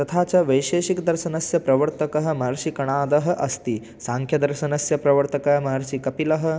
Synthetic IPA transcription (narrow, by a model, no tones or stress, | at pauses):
t̪ɐt̪ʰaːt͡ʃɐʋɐjʃeːʃikd̪ɐɾʃɐnɐsjɐpɾɐʋɐɾt̪ɐkɐɦɐ̆mɐɦɾʃikɐɳaːd̪ɐɦɐ̆ʔɐst̪i | saːŋkʰjɐd̪ɐɾʃɐnɐsjɐpɾɐʋɐɾt̪ɐkɐɦɐmɐɦɐɾʃikɐpilɐɦɐ̆